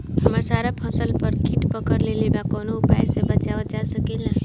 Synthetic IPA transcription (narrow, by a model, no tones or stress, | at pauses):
ɦəməɾsaɾapʰəsəlpəɾkiʈpəkəɾlelebakɔnoupa̰esebət͡ʃabət͡ʃasəkela